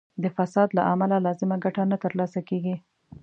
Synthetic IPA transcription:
d̪əfasɑd̪laʔamalalɑzɪmaɡaʈanat̪əɾlɑsakeɡi

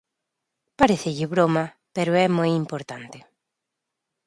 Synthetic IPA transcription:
paɾeθeʎɪβɾoma | peɾoɛmojimpoɾt̪ant̪e

